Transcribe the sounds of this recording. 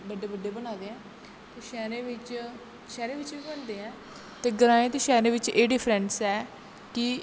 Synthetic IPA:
bəɖeːbəɖeːbənaːd̪eːɛ̃ː | t̪eːʃɛːɾẽːʋɪt͡ʃ | ʃɛːɾẽːʋɪt͡ʃʋiːbənd̪eːɛ̃ː | t̪eːɡəɾãːẽːt̪eːʃɛːɾẽːʋɪt͡ʃeːɖɪpʰɾɛ̃ɳʈsɛː | kɪ

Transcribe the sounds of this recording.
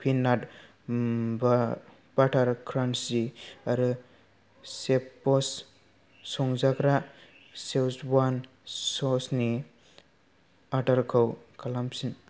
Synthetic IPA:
pʰinːat | ba | b̥aʈʰaɾkʰɾansiaɾɯ | sepːɔs | sɔŋzakɾa | sewsban | sɔsni | aʈaɾkʰɯwkʰalamsin

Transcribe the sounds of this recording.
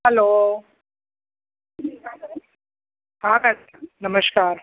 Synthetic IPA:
hɐloː | haːka | nɐmɐskaːɾ

